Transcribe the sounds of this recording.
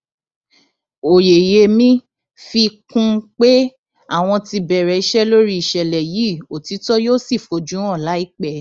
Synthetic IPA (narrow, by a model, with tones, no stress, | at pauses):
o˨je˨je˧mĩ˦ | fi˧kũ˧k͡pe˦ | a˦˨w̃ɔ̃˧ti˧bɛ˨ɾɛ˨i˦ʃɛ˦lo˦ɾi˦i˨ʃɛ˨lɛ˨jiː˨˦˨o˨ti˨˦tɔ˦joː˦si˦˨fo˨d͡ʒũ˨˦ɾ̃ɔ̃˦˨la˨˦i˦k͡pɛ˦˨